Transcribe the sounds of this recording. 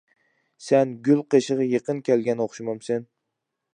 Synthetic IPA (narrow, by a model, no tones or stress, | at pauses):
senɡʲʊlˠqʰeʃɨʁɑjeqɨnkʲʰælɡʲanoχʃɪmɑmsen